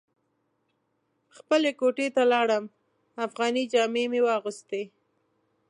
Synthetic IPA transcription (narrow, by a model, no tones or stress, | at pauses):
xpəlekoʈet̪alɑɽəm | afɣɑnid͡ʒɑmemewɑɣʊst̪e